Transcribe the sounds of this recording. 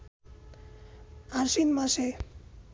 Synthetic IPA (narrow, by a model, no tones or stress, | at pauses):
aɾsinmãse